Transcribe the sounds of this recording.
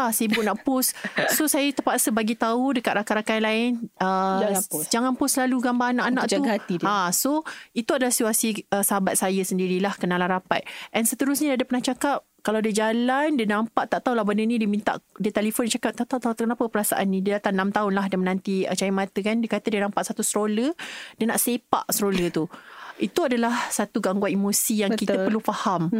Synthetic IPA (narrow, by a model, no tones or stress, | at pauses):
asibʊʔnaʔpʊssosajət̪əpaʔsəbaɡit̪audəkat̪̚ɾakaʔɾakanlaɪnə | d͡ʒaŋanpʊslaluɡambaanãʔanãʔt͡ʃ̪uɡat̪idasoit̪uadalahsit̪uasiəsəɦabat̪̚sajəsəndiɾilahkənalaɾapa̰t̪̚ʔɛnsət̪əɾʊsɲaadəpənaht͡ʃakap̚kalawadəd͡ʒalandiənampaʔt̪aʔt̪aulahbəndənĩdiəmint̪a̰ʔdiət̪ɛlifondit͡ʃakap̚t̪aʔt̪at̪at̪knapəpəɾasa̰ʔanːĩdiədat̪aŋnamt̪aʊnlaɦdiəmənãnt̪iət͡ʃajimãt̪əkandiəkat̪ədiənãmpaʔsat̪usɾolədiəna̰ʔsepa̰ʔsəɾolət̪uit̪uadalahsat̪uɡaŋɡwanimosijaŋkit̪əpərlufaham